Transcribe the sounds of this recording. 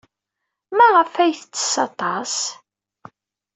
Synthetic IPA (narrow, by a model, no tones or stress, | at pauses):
mæʁəfæjθt͡sːə̥sɑt̪ˤɑs